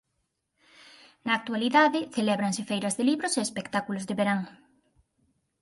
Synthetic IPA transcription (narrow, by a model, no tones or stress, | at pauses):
naːk̚t̪ualiðaðɪθelɛβɾaŋsɪfejɾɐzðeliβɾoseːspekt̪akulozðeβeɾaŋ